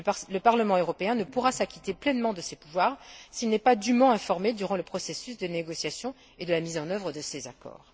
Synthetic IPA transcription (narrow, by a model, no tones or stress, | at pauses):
ləpaʁləmɑ̃øʁɔpeɛ̃nəpuʁasakʲi̥t̪eplɛnmɑ̃d̪əsepuvwaːʁsilnɛpad̪ymɑ̃ɛ̃fɔʁmed̪yʁɑ̃ləpχɔsesys̬d̪əneɡɔsjasjɔ̃ | ed̪əlamizɑ̃nœvʁəd̪əsezakɔ̰ːʁ